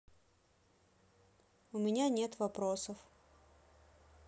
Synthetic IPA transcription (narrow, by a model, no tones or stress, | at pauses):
ʊmʲɪnʲanʲe̞t̪vɐpɾosəf